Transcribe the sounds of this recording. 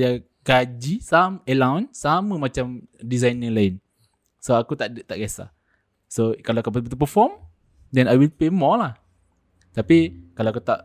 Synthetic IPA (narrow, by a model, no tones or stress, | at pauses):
ja | ɡad͡ʒisamɛlawnsaməmat͡ʃamdizajniŋlaɪn | soakut̪aʔdt̪aʔɡiasa̰ | sokaloakap̪but̪upəfɔm | dɛ̃najwilpemɔlah | t̪apikaloakut̪aʔ